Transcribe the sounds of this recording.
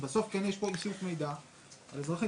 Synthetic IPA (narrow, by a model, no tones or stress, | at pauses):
beso̞fkenjeʃpo̞isukmejd̪a | a̰lezʁaχi